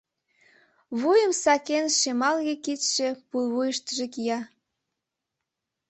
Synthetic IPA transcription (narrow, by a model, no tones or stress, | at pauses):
βujəmsɑkenʃemɑlɣekit̪ʃepulβujəʃt̪əʒekijɑ